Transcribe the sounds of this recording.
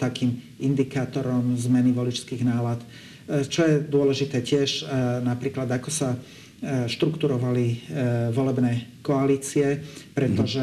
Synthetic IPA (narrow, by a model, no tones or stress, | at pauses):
t̪akiːm | ind̪ikaːt̪ɔɾɔmzmɛniʋɔlit͡ʃskiːɣnaːlat̪ | t͡ʃɔjɛd̪ʊɔlɛʒit̪ɛːcɪɛʒnapɾiːklad̪akɔsa | ʃt̪ɾukt̪uɾɔʋaliʋɔlɛbnɛːkɔaliːt͡siɛpɾɛt̪ɔʒɛ